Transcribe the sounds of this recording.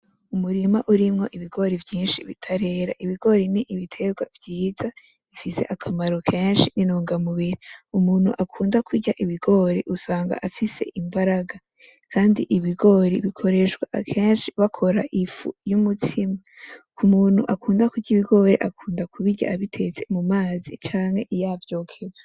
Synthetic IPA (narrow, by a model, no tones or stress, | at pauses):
umuɾimaʔuɾimŋo̞ʔiβiɡo̞ːɾivjiːnʃiβitʰaɾe̞ːɾaʔiβiɡo̞ːɾiniʔiβitʰe̞ɡwavjiːza | ifise̞̰ʔakʰamaɾokʰe̞ːnʃininuːŋɡamuβiɾiumuːnhṵʔakʰuːndakʰuɾɟaʔiβiɡo̞ːɾḛʔusaːŋɡa̰ʔafise̞̰ʔimbaɾaɡa | kʰaːndiʔiβiɡo̞ːɾiβikʰo̞ɾe̞ʃɡwa̰ʔakʰe̞ːnʃiβakʰo̞ɾaʔifṵjumutʰima | kumuːn̥huʔakuːndakuɟiβiɡo̞ːɾe̞ʔakʰuːndakʰuβiɟa̰ʔaβitʰe̞t͡se̞mumaːzḭt͡ʃaːŋhe̞ʔijavjo̞ːkʰezḁ